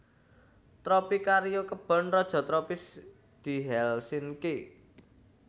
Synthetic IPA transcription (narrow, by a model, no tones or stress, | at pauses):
t̪ɾɔpikaɾijokəb̥ɔ̤nrɔd̥ʒ̥ɔ̤t̪ɾɔpɪs | d̪̥i̤ɦɛlsinke